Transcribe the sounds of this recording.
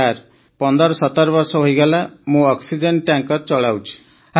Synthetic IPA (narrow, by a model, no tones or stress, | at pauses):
aɾ | pɔnd̪ɔɾɔsɔt̪aɾɔbɔɾsɔɦojɡalamũɔksid͡ʒeɳʈaŋkɔɾt͡ʃɔɭawt͡ʃʰi̥ | a